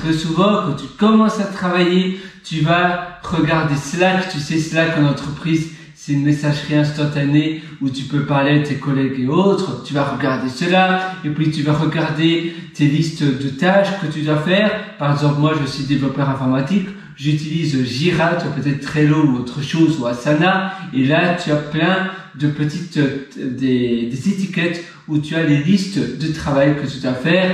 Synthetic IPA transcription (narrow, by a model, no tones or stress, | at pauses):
t̪χɛsuvɑ̃kɑ̃t̪ykɔmɑ̃sat̪χavajet̪yvaʁəɡaʁd̪esəlakt̪ysɛsəlakɛ̃nɑ̃t̪χəpχiːz | sɛt̪ynmesaʒʁiɛ̃st̪ɑ̃t̪ane | ut̪ypøpaʁled̪ət̪ekɔlɛɡeot̪χət̪yvaʁəɡaʁd̪esəlaepɥit̪yvaʁəɡaʁd̪et̪elist̪d̪ət̪aʃkət̪yd̪wafɛːʁpaʁɛɡzɑ̃plmwaʒəsɥid̪evlɔpœʁɛ̃fɔʁmat̪ik | ʒyt̪ilizʒiʁat̪yapøt̪ɛt̪ːχɛlõuot̪χəʃozuasanaelat̪yaplɛ̃d̪əpət̪it̪d̪ed̪ezet̪ikʲɛt̪ | ut̪yalelist̪d̪ət̪χavajkət̪yd̪wafɛːʁ